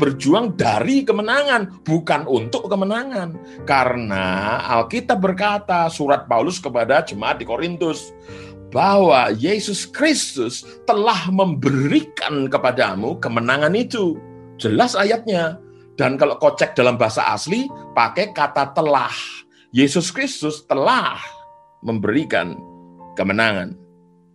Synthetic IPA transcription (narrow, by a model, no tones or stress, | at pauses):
bərd͡ʒuaŋdaɾikəmənaŋanb̥ukanunt̪ʊʔkəmənaŋan | kaɾəna̰a̰lkit̪ap̚bərkat̪asuɾat̪̚paulʊskəpadad͡ʒəmaat̪̚dikoɾint̪ʊs | b̥aɦwajesʊskɾɪst̪ʊs | t̪əlahməmbəɾika̰nkəpadamukəmənaŋanit̪u | d͡ʒəlasajat̪̚ɲa | d̥ankaloʔkot͡ʃɛk̚d̥alambaɦasa̰ʔa̰slipakɛkat̪at̪əla̰h | jesʊskɾɪst̪ʊst̪əlah | məmbəɾika̰nkəmənaŋa̰n